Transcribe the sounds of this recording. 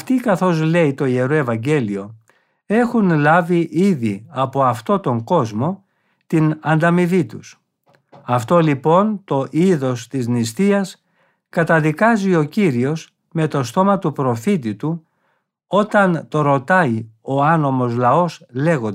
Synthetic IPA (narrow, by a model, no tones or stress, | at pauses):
ɐft̪ikɐθo̞zle̞it̪o̞ie̞ɾoe̞vɐɲɟe̞lio̞ | e̞xunlɐviʔiðiɐpo̞ɐft̪o̞t̪o̞ŋɡo̞zmo̞ | t̪inɐnd̪ɐmivit̪us | ɐft̪o̞lipo̞nt̪o̞ʔiðo̞st̪iznist̪iɐs | kɐt̪ɐðikɐzio̞ciɾio̞s | me̞t̪o̞st̪o̞mɐt̪upɾo̞fit̪it̪u | o̞t̪ɐnt̪o̞ɾo̞t̪ɐio̞ɐno̞mo̞zlɐo̞sle̞ɣond̪